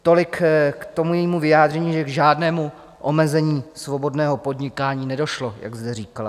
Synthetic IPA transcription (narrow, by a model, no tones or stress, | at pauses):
t̪o̞lɪkkt̪o̞mujɛjiːmuvɪjaːd̪rɛɲiːʒɛɡʒaːdnɛːmu | ʔomɛzɛɲiːsvo̞bo̞dnɛːɦo̞po̞dɲɪkaːɲiːnɛdo̞ʃlo̞ja̰ɡzdɛriːkala̰